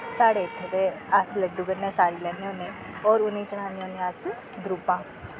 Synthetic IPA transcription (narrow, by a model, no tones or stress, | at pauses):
saːɽeːɪt̪ʰːeːt̪eːəsləɖːuːkəɾnɛ̃ːsaːɾiːlɛːnẽʊnẽː | ɔːɾʊnẽːt͡ʃəɽ̃aːnd̪ionẽəs | d̪ɾuːpãː